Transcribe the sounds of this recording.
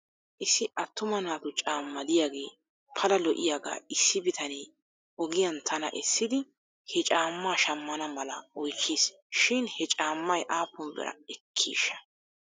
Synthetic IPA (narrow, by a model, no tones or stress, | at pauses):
ʔɪsːɪʔɐt̪ːʊmɐnaːt̪ʊt͡ʃʼaːmːɐd̪ɪjaːɡe̞ː | pʰɐlɐlɔʔɪ̰jaːɡa̰ːɪsːɪbɪt̪ɐneː | ʔɔɡɪjɐnt̪ʰɐnɐ̰ʔɛsːɪd̪ɪ | hɛt͡ʃʼaːmːaːʃɐmːɐnɐmɐlɐɔjkʰːiːs | ʃɪnhɛt͡ʃʼaːmːɐjʔaːpːʊmbɛ̰ɾɐ̰ɛkʰːḭːʃːɐ̥